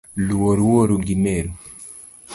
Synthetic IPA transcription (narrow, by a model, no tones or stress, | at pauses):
luwɔɾuwoɾuɡimɛɾu